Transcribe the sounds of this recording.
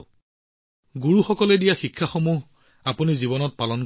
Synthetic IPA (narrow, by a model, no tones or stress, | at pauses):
ɡuɹuxɔkɔledijaxikʰːaxomuɦ | apunizibɔnɔt̚palɔnk